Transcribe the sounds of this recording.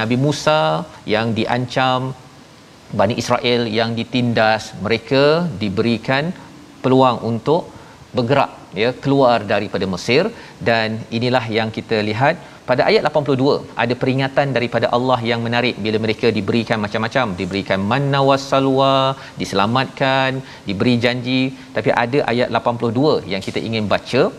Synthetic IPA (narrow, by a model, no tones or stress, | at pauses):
nabimũsajaŋdiʔa̰ɲt͡ʃam | baniʔisɾaʔɪljaŋdit̪indasmə̃ɾekadibəɾikan | pəluaŋʔunt̪ʊʔ | bəɡəɾa̰ʔ̚jəkəluardaɾipadaməsɪr | daninilahɦjaŋkit̪əliɦat̪̚ | padaʔajat̪̚lapanpulʊhɦduəʔa̰dapəɾiŋat̪andaɾipadaʔalːɑɦjaŋmə̃naɾɪʔ̚bilaməɾekadibəɾikanmat͡ʃamːat͡ʃamdibəɾikanmãnːãwasalua | disəlamat̪̚kan | dibəɾid͡ʒaɲd͡ʒit̪apiʔa̰daʔa̰jat̪̚lapanpulʊhduəjaŋkit̪aʔḭŋɪnbat͡ʃə